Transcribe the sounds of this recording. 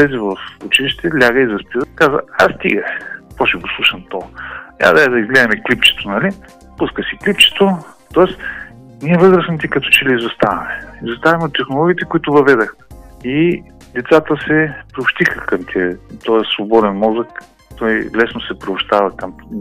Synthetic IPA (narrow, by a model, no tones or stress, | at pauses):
ɛzivɐfʊt͡ʃiliʃt̪ɛlʲaɡəizɐspiɾkazəa̰st̪ḭɡəpɔʃɛɡoslˠuʃɐmt̪ɔja̰d̪ɛɛd̪ɐizɡlɛd̪ɐmɛklip̚t͡ʃɛ̥t̪onɐli | puskəsiklipt͡ʃɛ̥t̪o | t̪ɔɛs | niɛvɤzɾəsnmt̪ikɐt̪ɔt͡ʃɛliizost̪avɐmɛizost̪avɐmɛot̪ːɛxnolˠɔɡʲiːt̪ɛkʊit̪ʊvɐvɛd̪əxi | d̪ɛt̪sat̪əsɛpɾʲiʊpʃt̪ixəkɐmt̪ʰʲiɛt̪ɔsvobɔd̪ɛnmɔzək | t̪ɔjlɛsnosɛpɾiʊpʃt̪avɐkɐm